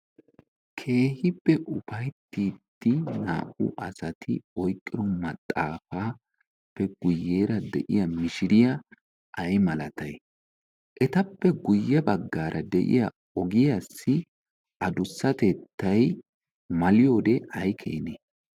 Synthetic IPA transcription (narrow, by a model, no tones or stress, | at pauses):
kʰe̞ːhɪbːɛʔʊfɐjt̪ːiːd̪ːɪna̰ːʔʊ̰ʔɐsɐt̪ʰɪɔjkʼːɪɾɔmɐt̪ʼːaːfaː | pːɛɡ̥ʊjːe̞ːɾɐd̪ɛ̰ʔɪ̰jɐmɪʃɪɾɪjɐ | ʔɐjmɐlɐt̪ɐj | ʔɛt̪ɐpːɛɡʊjːɐbɐɡːaːɾʔɐd̪ɛʔɪ̰jɐ | ɔɡɪjasːɪ | ʔɐd̪ʊsːɐt̪ɛt̪ːɐj | mɐlɪjo̞ːd̪ɛʔɐjkʰḛːneː